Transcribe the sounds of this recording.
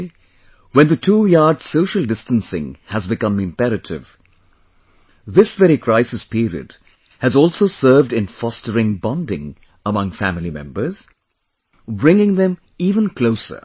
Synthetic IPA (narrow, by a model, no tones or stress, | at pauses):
wɛ̃nðətʰuːjɑːɹdz̥soʊʃəlˠdɪstə̃nsɪ̰̃ŋhɨzbɨkʌ̃mɨ̃mpɛɾɨtʰɪ̰v̥ | ðɪsvɛɾikʰɹ̥aɪsɨspiɾiɨ̰d̥ | hɨzɔlˠsoʊsɜ˞vdɨ̃nfɔstəɹɪ̃ŋbɑ̃ndɪ̰̃ŋ | əmʌ̃ŋfæmɪlˠimɛ̰̃mbə˞z̥ | bɹɪ̃ŋɪ̃ŋðɨ̃m | iːvə̃nkʰloʊsə̰˞